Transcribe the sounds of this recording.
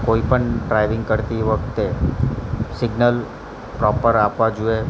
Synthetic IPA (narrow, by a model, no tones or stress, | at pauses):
koipəɳɖɾajʋɪ̃ŋɡkəɾt̪iʋəkʰt̪e | sɪɡnəl | pɾɔpəɾapʋad͡ʒue